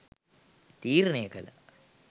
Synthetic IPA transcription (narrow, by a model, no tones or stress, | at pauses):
t̪iːɾneːkɐlɐ̰